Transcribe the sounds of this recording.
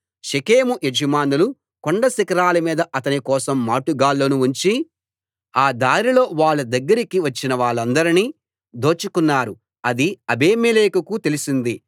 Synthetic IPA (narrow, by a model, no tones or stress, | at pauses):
ʃekeːmuʔed͡ʒimaːnulu | koɳɖɐsikɐɾaːlɐmiːd̪ɐʔɐt̪ɐnikɔːsɐmːaːʈuɡaːlːoːnuuɲt͡ʃi | aːd̪aːɾilo̞ːʋaːɭːɐd̪ɐɡːɐɾikiʋɐt͡ʃːinɐʋaːɭːɐnd̪ɐɾiniː | d̪o̞ːt͡ʃukunːaːɾu | ɐd̪iɐbeːmeleːkɐkut̪e̞lusind̪i